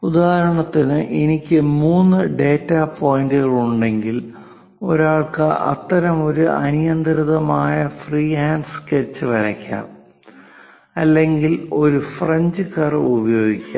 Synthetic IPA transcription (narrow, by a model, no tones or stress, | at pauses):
ud̪aːɦɐɾɐɳɐt̪ːinɨʔenikʲːɨmuːnːɨɖe̞ːtːapo̞ːjndɨɣɐɭuɳɖe̞ŋɡil | o̞̰ɾaːɭkɨʔɐ̰t̪ːɐɾɐmo̞ɾuʔɐ̰nijɐnd̪ɾɨðɐmaːjɐfriːhaːnɖsket͡ɕːɨʋɐɾɐkʲːa̰ːm | ɐlːe̞ŋɡilo̞ɾufreɲd͡ʑɨkɐrubɐjo̞ːɡikʲːa